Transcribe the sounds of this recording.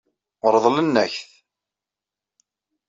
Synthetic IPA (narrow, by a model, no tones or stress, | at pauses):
əɾˤðˤlənːæçθ